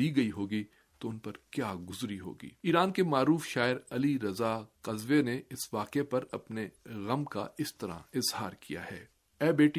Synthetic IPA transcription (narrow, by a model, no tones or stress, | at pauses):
iɡɐiɦoːɡi | t̪oʊnpɐɾkjaːɡʊzɾiɦo̰ːɡḭːiːɾaːnkemaːɾuːfʃaːɪɾɐliɾɐzaqɐzʋeneɪsʋaːqepɐɾɐpneɣɐmka̰ɪst̪ɐɾã̰ɪzhaːɾkʰija̰ɦɛ̰ː | ɛːbeːʈi